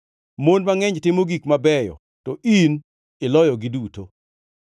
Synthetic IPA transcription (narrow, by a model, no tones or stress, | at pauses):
monmaŋɛɲtɪmoɡikmabɛjɔ̰ | tɔin | ɪlɔjɔɡɪduto